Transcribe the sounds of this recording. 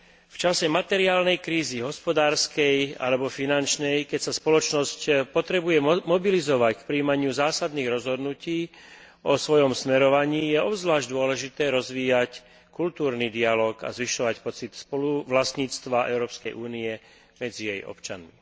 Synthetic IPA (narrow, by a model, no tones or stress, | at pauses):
ft͡ʃasɛmat̪ɛɾiaːlnɛjkɾiːziɦɔspɔd̪aːɾskɛja̰lɛbɔfinant͡ʃnɛjkɛcsaspɔlɔt͡ʃnɔscpɔt̪ɾɛbujɛmɔbilizɔʋackpɾiːmaɲɪuzaːsad̪niːɣɾɔzɦɔd̪nuciː | ɔsʋɔjɔmsmɛɾɔʋaɲiːjɛɔbzʋlaːʒɟd̪ʊɔlɛʒit̪ɛːɾɔzʋiːjac | kult̪uːɾnid̪ialɔːka̰zʋiʃɔʋacpɔt͡sit̪spɔluʋlast̪ɲiːt͡st̪ʋaʔɛ̰ʊɾɔːpskɛjʔuːniɛ | mɛd͡zijɛjɔ̰pt͡ʃa̰nmi